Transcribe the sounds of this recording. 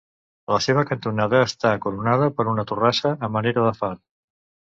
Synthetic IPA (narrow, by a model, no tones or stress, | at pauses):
ləseβ̞əkənt̪unaðəːst̪aːkuɾunað̞əpəɾunət̪urasəːməneɾəðəfan